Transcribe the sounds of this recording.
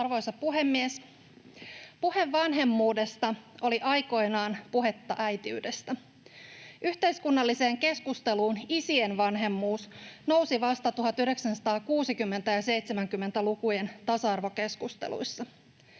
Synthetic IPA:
ɑrʋo̞jsɑppuɦe̞mːies | puhe̞ʋʋɑnɦe̞mːuːde̞st̪ɑo̞liʔɑjko̞jnɑːnpuɦe̞t̪ːɑ̰ʔæjt̪iy̰ːdest̪æ | yçt̪e̞iskunːɑlːise̞ːŋke̞skust̪e̞luːnisienʋɑnɦe̞mːuːsno̞wsiʋɑst̪ɑt̪uɦɑt̪yhde̞ksænsɑ̥t̪ɑːkuːsikymːe̞nt̪æjɑse̞jt̪semæŋkymːent̪ælukuje̞nt̪ɑsɑɑrʋo̞ke̞skust̪ḛlṵisːɑ

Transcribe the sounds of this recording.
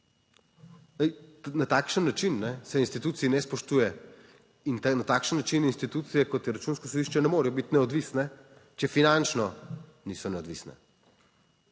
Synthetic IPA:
nat̪aːkʃənːat͡ʃinːɛsɛinst̪it̪uːt̪siːnɛspɔʃt̪uːjɛ | innat̪aːkʃənːat͡ʃininst̪it̪ut̪sijɛkɔt̪jɛɾat͡ʃunskɔsɔd̪iʃt͡ʃɛnɛmoːɾijɔbit̪nɛɔd̪ʋisnɛ | t͡ʃɛfinant͡ʃnɔ | nisɔnɛɔd̪ʋiːsnɛ̰

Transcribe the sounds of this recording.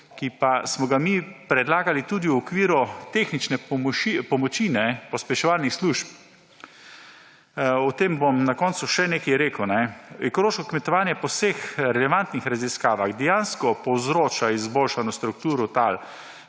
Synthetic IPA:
kipasmɔɡamipɾɛd̪laːɡalit̪uːd̪iwɔkʋiːɾɔt̪exnit͡ʃnɛmipɔmɔt͡ʃinɛpɔspɛʃɔʋaːlnixsluʃp | ɔt̪eːmbomnakɔːnt̪suʃɛneːkijɾeːkəwnɛɛkɔloːʃkɔkmɛt̪ɔʋaːnjɛpɔwsexɾɛlɛʋant̪nixɾaziskaːʋaɣd̪ɛjanskɔpɔwzɾoːt͡ʃaizboːlʃanɔst̪ɾukt̪uːɾɔt̪al

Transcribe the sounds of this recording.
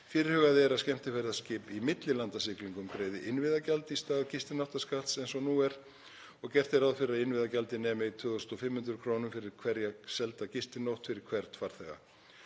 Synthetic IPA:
fɪɾɪɾ̥hœɣaðɛɾaðscɛm̥t̪ɪfɛɾðascɪːpimɪt̪lɪlant̪asɪkliŋkʏmkɾeːjðɪʔɪnvɪðacalt̪ɪist̪aːðcɪst̪ɪnowht̪askalt̪sejnsɔnuɛɾ̥ | ɔɣcɛr̥t̪ɪɾawðfɪɾɪːaðɪnvɪðacalt̪ɪnɛːmɪit̪ʰvʏðɔsnɔfɪmhʏnt̪ɾʏkʰɾoːnʏmfɪɾɪɾ̥kʰvɛɾjasɛlt̪aðcɪst̪ɪnowht̪fɪɾɪɾ̥kʰvɛɾt̪faɾ̥θɛɣa̰

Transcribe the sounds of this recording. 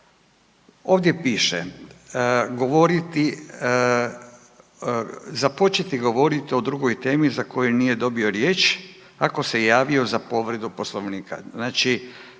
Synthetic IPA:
o̞ːʋd̪jepiːʃḛ | ɡo̞ʋo̞ɾit̪i | zapo̞t͡ʃet̪iɡo̞ʋo̞ɾit̪io̞d̪ɾuɡo̞jt̪e̞ːmizako̞junije̞d̪o̞bio̞ɾje̞ːt͡ʃ | ako̞se̞jaːʋio̞zapo̞ʋɾe̞d̪upo̞slˠo̞ʋniːka̰znaːt͡ʃi

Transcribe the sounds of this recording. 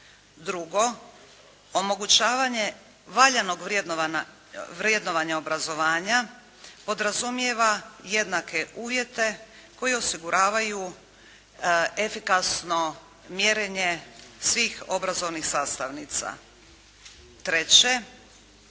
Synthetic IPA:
d̪ɾuɡo̞ | omo̞ɡut͡ɕaːʋaɲe̞ | ʋaʎano̞ɡʋd̪ | ʋɾje̞d̪no̞ʋaɲaobɾazo̞ʋaːɲa | po̞d̪ɾazumjeʋaje̞d̪nake̞ʔuːʋje̞t̪e̞ | ko̞jeo̞siɡuɾʔaːʋaju | e̞fikasno̞ | mjeɾeɲe̞sʋiːxo̞bɾazo̞ʋnixsaːst̪aʋniːt̪sa̰ | t̪ɾet͡ɕe̞

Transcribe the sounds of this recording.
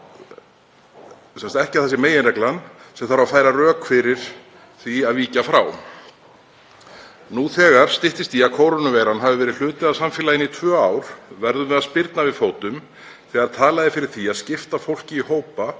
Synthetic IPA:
sɛnst̪ɛhcɪaθɛsɪmeːjɪnrɛklansɛmθaɾvafaːjɾarœːkfɪɾɪɾ̥ | θviaðviːcafɾaw | nuθɛːɣaɾ̥st̪ɪht̪ɪst̪iaðkʰoːwɾanʏvɛjɾanɦavɪvɛːɾɪðl̥ʏːt̪ɪðasamfɪːlaɪnːit̪ʰvœːaːwɾ̥vɛɾðʏmɛðaðspɪɾt̪navɪðfoːwt̪ʏm | θɛːɣaɾt̪ʰaːlaðɪfɪɾɪɾ̥θiaðscɪft̪afowl̥cɪihoːwpa

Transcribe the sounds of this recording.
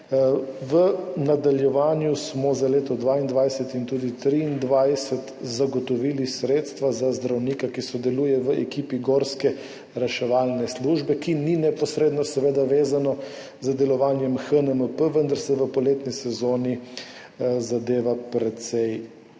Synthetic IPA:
ʋənad̪aljɛʋaːnjusmɔzaleːt̪ɔd̪ʋaind̪ʋajsɛt̪int̪uːd̪it̪ɾiːnd̪ʋajsət̪zaɡɔt̪ɔʋiːlisɾeːt̪st̪ʋazazd̪ɾawnikakisɔd̪ɛlujɛʋəʔɛkiːpiɡoːɾskɛ | ɾɛʃɛʋaːlnɛsluːʒbɛkininɛpɔsɾeːd̪nɔsɛʋeːd̪aʋeːzanɔ | zəd̪ɛlɔʋaːnjɛmxənəməpəʋənd̪aɾsɛʋəpɔleːt̪nisɛzoːni | zad̪eːʋapɾɛt̪sɛj

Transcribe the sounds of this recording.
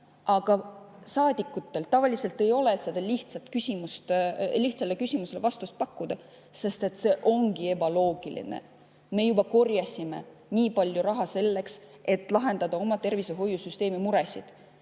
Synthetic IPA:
ʔɑɡ̥ɑsɑːd̪̥ʲikːˑut̪ːe̞lt̪ɑvɑlise̞lt̪e̞jo̞let̪sed̪̥ɑliht̪sɑt̪kysʲimust̪liht̪sɑlekysʲimuse̞levɑst̪ust̪̚pɑkˑːud̪̥ɑ | se̞st̪e̞t̪ːˑse̞ʔo̞ŋɡ̥ie̞bɑlo̞ːɡ̥ilḭnḛ | me̞jubɑko̞rjɑsʲime̞̰niːpɑlʲjuɾɑɦɑse̞lːe̞kse̞t̪ːˑlɑɦe̞nd̪ɑd̪̥ɑo̞mɑt̪e̞rviseɦo̞jːusyst̪e̞ːmimuɾe̞sid̪̥

